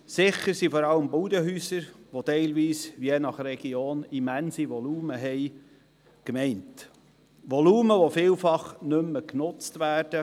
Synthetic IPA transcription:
sɪχəɾsifɔɾɑləmbuːdəɦyːsəɾʋotɛɪlʋiːsʋienɑχɾɛɡ̥ioːnimænsiʋɔluːməɦɛɪ | kmɛɪnt | ʋɔluːməʋofɪːlfɑχnʏmːəknʊt͡stʋæːrd̥ə

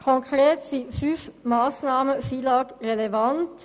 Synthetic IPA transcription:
kʰɔŋkʰʁeːt̪sifyfmɑːsnɑːməfilɑːkʁɛlɛʋɑnt̪

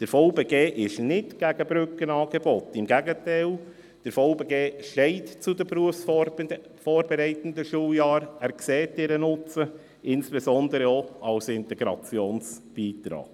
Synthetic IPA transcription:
d̥əɾfowbeɡeːʔɪʃnɪtɡ̥æɡəbɾʏkənɑːɡ̥ebɔtɪmɡæɡətæɪl | d̥əɾfɔʊbeɡeːʃɛɪtt͡sudəpɾuəfs | fɔːɾbeɾɛɪtəndəʃuːljɑːɾæːɾksɛːtɪɾənʊt͡sə | ɪnsb̥esɔndəɾəoɑlsɪntɛɡɾɑ̰t͡sjoːnsb̥iːtɾɑ̰ːɡ̥

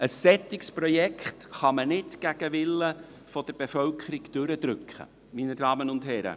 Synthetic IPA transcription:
əsːɛt̪ːɪkspɾɔjɛkχtχɑmənɪtɡ̥æɡ̥əʋɪlːə | fod̥əɾb̥efœlkʰəɾiɡd̥ɵɾəd̥̪ɾʏkχə̰ | minədɑːmənʊndɦɛːɾə̰

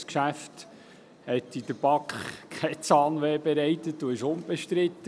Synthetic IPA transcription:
skʃæft | hɛt̪id̪əɾbɑkχkʰɛɪt͡sɑːnʋɛːbɛɾɛjt̪ət̚d̥̪uɪʃʊmb̥ɛʃt̪ɾɪt̪ːə

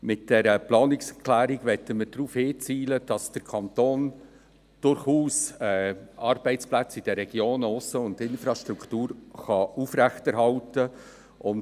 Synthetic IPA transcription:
mɪtd̥ɛɾəplɑːnɪksɛklæːɾiɡ̥ʋɛtːəməɾd̥ɾuːfhɪːt͡siːləd̥ɑsd̥əɾkʰɑnt̪oːn | d̥ʊɾχuːsɛɑɾb̥ɛɪt͡splæt͡sɪd̥əɾɛɡ̥joːnʊsːəʊndɪnfɾɑʃtɾukʰtuːɾχɑufɾæχtɛɾɦɑltə | ʔʊn

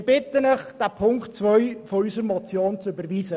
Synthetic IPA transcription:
bɪtənəχd̥apʰʊŋktt͡svœʏfɔysəɾmɔt͡sjoːnt͡sybəɾviːsə

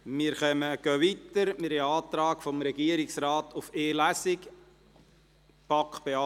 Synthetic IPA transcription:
miːɾχœməɡ̥øːʋitəɾmɪːɾhɛɑːt̪ɾɑːkfɔmɾɛɡiəɾɪksɾɑːt̪ʊfeːlæsɪk | pɑkχb̥eɑ

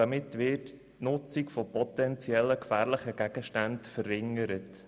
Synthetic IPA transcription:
ɑmɪtʋɪt | nʊt͡sikfɔpɔt̪ɛnt͡sjɛlːəkfæːɾləχəɡ̥æɡ̥əʃtantfəɾːɪŋəɾət

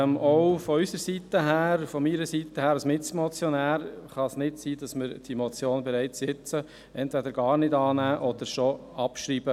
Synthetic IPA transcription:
mɔʊfɔysəɾsitəɦæːɾfɔmiɾəsit̪ːəhæːɾɑsmɪt͡smɔt͡sjɔnæːɾχɑsnɪtsiːd̥ɑsmɪɾd̥imɔt͡sjoːnbɛɾæɪt͡ssɪt͡sə | ɛntvɛdəɾɡ̥ɑːɾnɪdɑːnæːʔɔd̪̥əɾʃɔ | ɑpʃɾiːb̥ə

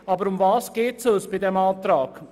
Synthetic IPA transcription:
ɑːbəɾʊmvɑːsɡ̥ɛːtsoːsb̥ɪdɛmɑːtɾaːk

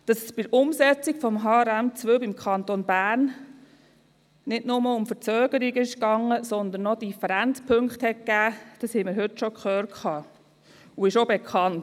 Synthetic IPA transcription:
d̥ɑsəsb̥ɪdəɾʊmsɛt͡sikfɔmɦɑːɾæmt͡sʋøbimkʰɑnt̪onbæːɾn | nɪdnʊməʊmfət͡søːɡ̥əɾiɡəɪʃkɑŋːəsɔnd̪ənːɔd̥ifəɾænt͡spʰɵŋkχthɛt̚kæːd̥ɑshɛɪməɾɦɵtʃɔkχœːɾkʰɑː | uɪʃobekʰχɑnt

